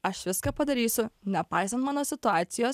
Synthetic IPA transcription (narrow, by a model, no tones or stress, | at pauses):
ɐʃʋʲɪskaːpɐd̪ɐɾʲiːsʲʊnʲɛpɑˑɪsɐnt̪mɑːnoːsʲɪt̪ʊaːt̪sʲɪjoːs